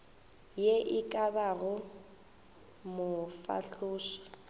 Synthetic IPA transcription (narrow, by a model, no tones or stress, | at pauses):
jeʔɪkʼabaɣʊ | mʊfa̰ɬʊːʃḁ